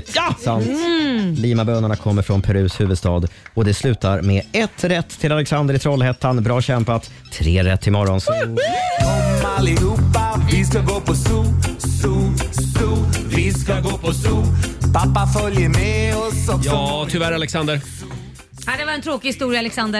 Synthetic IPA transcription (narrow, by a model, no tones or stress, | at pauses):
jasant̪liːmabøːnaɳakʰɔmːəɾfɾɔnpʰɛɾʉ̟ːshʉ̟ːvəd̪st̪ɑːd̪ɔd̪ɛslʉ̟ːt̪aɾmɛɛt̪ʰːɾɛt̪ʰːɪlalɛksand̪əɾɪt̪ʰɾɔlhɛt̪ʰːanbɾɑːɕɛmpat̪ʰːɾeːɾɛt̪ʰːɪlmɔɾɔns | alɪuːpːavɪskaɡoːpʰɔsuːlsusuːvɪskaɡoːpʰɔsuːlpʰapːafœljəɾmɛɔsɔjɑːt̪ʰʏvæɾalɛksand̪əɾ | had̪ɛvaɾɛnt̪ʰɾoːkɪhɪst̪uːɾjalɛksand̪ə